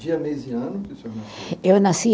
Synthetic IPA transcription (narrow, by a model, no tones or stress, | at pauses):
d͡ʒiɐmeziɐ̃nʊpesonewnasi